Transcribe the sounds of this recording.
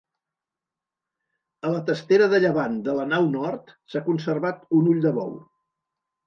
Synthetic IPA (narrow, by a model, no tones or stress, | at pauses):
ələt̪əst̪eɾəðəʎəβand̪ələnawnɔrt̪sakunsəɾβat̪unuʎd̪əβɔw